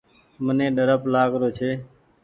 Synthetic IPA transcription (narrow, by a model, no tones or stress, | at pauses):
mənẽːɗəɾəplaːɡɾoːt͡ʃʰeː